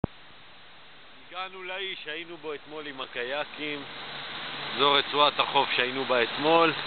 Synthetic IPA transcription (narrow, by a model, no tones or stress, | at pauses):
iɡanulaiʃhainubo̞et̪mo̞limakajakim | zo̞ʁet͡suat̪haχo̞fʃeainubaet̪mo̞l